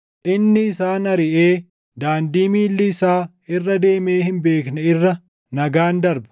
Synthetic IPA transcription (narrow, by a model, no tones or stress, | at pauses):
ʔɪnːɪɪsaːnɐɾɪʔeː | d̪aːnd̪iːmiːlːɪɪsaː | ɪrːɐd̪e̞ːme̞ːhɪnbe̞ːknɛɪrːɐ | nɐɡaːnd̪ɐɾbɐ̥